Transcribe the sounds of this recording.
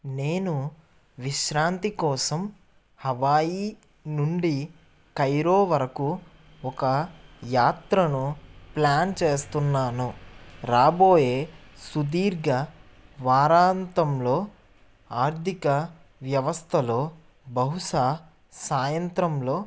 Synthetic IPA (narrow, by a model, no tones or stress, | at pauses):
ne̞ːnu | ʋiʃɾaːnt̪ikɔːsɐm | hɐʋaːji | nuɳɖi | kɐjɾoːʋɐɾɐku | ɔkɐjaːt̪ɾɐnuplaːnt͡ʃeːst̪unːaːnuɾaːbo̞ːjeːsud̪iːɾɡɐ | ʋaːɾaːnt̪ɐmlo̞ː | aːɾt̪ʰikɐ | ʋjɐʋɐst̪ʰɐloː | bɐɦuʃaː | saːjɐnt̪ɾɐmlo̞ː